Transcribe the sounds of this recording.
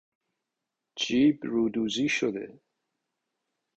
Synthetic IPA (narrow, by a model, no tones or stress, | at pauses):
d͡ʒiːbɾuːd̪uːziʃod̪ḛ